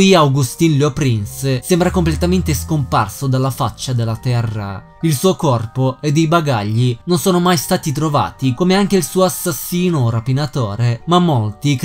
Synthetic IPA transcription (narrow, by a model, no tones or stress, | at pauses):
iawɡust̪inlopɾinssembɾakomplet̪ament̪eskompa̰rsod̪alːafat͡ʃːad̪elːat̪ɛrːa̰ | ilsuːokɔrpoed̪ːejbaɡa̰ʎːinonsoːnomajst̪aːt̪it̪ɾova̰ːt̪ikomeaŋk̟eilsuːoasːasːiːnoɾapinat̪ɔːɾemamːolt̪ik